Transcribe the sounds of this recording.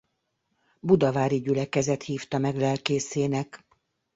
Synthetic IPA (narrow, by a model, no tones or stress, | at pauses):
bud̪ɒvaːɾiɟylɛkɛzɛt̪hiːft̪ɒmɛɡlɛlkeːseːnɛk